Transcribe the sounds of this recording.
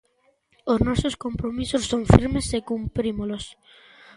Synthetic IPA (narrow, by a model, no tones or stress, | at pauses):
oznɔsoskompɾomisosːoŋfiɾmesekumpɾimolos